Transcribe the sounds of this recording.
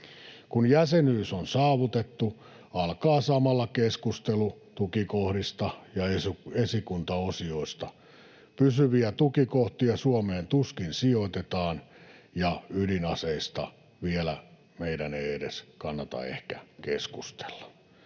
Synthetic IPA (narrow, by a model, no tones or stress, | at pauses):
kunjæsenyːsonsɑːʋut̪et̪ːu | ɑlkɑːsɑmɑlːɑkeskust̪elut̪ukikohɾist̪ɑjɑesuesikunt̪ɑosioist̪ɑ | pysyʋiæt̪ukikoht̪iɑsuomeːnt̪uskinsioit̪et̪ɑːnjɑylinɑseist̪ɑ | ʋielæ̰ | meidæneiedḛskɑnːɑt̪ɑ̰ḛhkæ̰keskust̪e̥lːɑ̥